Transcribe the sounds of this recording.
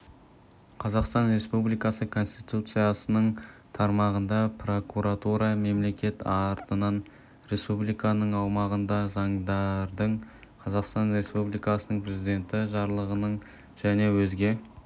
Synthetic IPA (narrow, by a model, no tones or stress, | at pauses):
qʰɑzɑqst̪ɑnɾe̞spublijkɑsəkʰo̞nst̪it̪ut̪sɨjasənəɴt̪ʰɑɾmɑʁənd̪ɑpro̞kuɾat̪uɾɑme̞mle̞kʲe̞t̪ʰɑɾt̪ənɑn | ɾe̞spublijkɑnəɴɑwmɑʁənd̪ɑzɑɴd̪ɑɾd̪əɴ | qʰɑzɑqst̪ɑnɾe̞spublijkɑsənəɴpɾʲe̞zid̪e̞nt̪ɪʒɑɾlˠəʁənəɴ | ʒ̥æne̞wɵzɡʲe̞